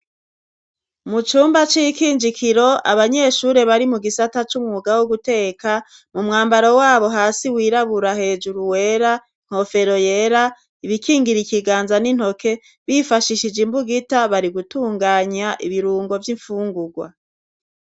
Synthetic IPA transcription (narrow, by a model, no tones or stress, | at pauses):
mut͡ʃuːmbat͡ʃijikiːnd͡ʒikʰiɾo̞a̰βaɲe̞ʃuɾe̞βaɾimuɡisatat͡ʃumŋuːɡawoɡute̞ːka | mumŋaːmbaɾo̞waːβo̞ɦaːsiwiːɾaβuɾaɦe̞d͡ʒuɾuwe̞ɾa | ŋ̥ho̞fe̞ɾo̞je̞ɾa | iβikʰiːŋɡiɾikiɡaːnzanin̥ho̞kʰe̞ | βifaʃiʃid͡ʒimbuɡitaβaɾiɡutuːŋɡaːɲaʔiβiɾuːŋɡo̞vjiɱfuːŋɡuɡwa̰